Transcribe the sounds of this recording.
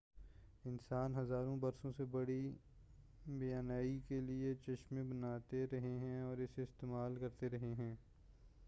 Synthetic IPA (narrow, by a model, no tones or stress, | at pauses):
ɪnsaːnɦɐzaːɾõbɐɾsõsebɐɽi | bɐjaːnaːikeliet͡ʃɐʃmẽbɐnaːt̪eɾɐɦeɦɛ̃ɔːɾɪseɪst̪eːmaːlkɐɾt̪eɾɐɦeɦɛ̃ː